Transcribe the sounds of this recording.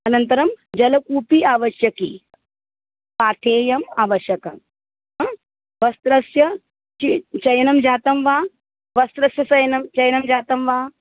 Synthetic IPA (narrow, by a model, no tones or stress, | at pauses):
ɐnɐnt̪ɐɾɐmd͡ʒɐlɐkuːpiaːʋɐʃjɐkḭ | paːt̪ʰeːjɐmaːʋɐʃjɐkɐm | ʋɐst̪ɾɐsjɐ | t͡ʃit͡ʃɐjɐnɐmd͡ʒaːt̪ɐmʋaː | ʋɐst̪ɾɐsjɐsɐjɐnɐmt͡ʃɐjɐnɐmd͡ʒaːt̪ɐmʋaː